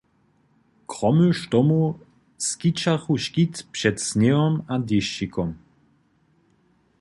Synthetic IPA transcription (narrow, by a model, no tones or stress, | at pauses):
kʁɔmøʃt̪ɔmu | skit͡ʃaxuʃkit̪pʂɛt̪snɛɔmad̪ɪʃikʰɔm